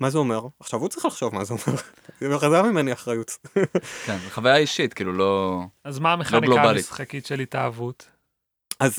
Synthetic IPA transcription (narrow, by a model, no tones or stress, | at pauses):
mazeomeʁaχʃavut͡sʁiχlaχʃo̞vmazeomeʁ | χazamimeniaχʁajut | kenzeχavajaiʃitkiːlulo̞azmaːmeχloɡɡlokabalisχakitʃelitaːvut | az